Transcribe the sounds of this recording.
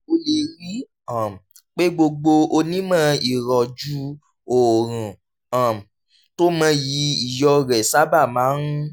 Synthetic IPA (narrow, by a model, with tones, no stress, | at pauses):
o˧le˧ɾi˦ | a˨m˨ | k͡pe˦ɡ͡bo˧ɡ͡bo˧o˧nĩ˦mã˦i˨ɾɔ˨d͡ʒu˦ | o˨ɾ̃ũ˨ | ã˨m˨ | to˦mã˧˦ji˧˦i˦˨jɔ˧ɾɛ˨sa˦ba˦˨mãː˨˦ɾũ˦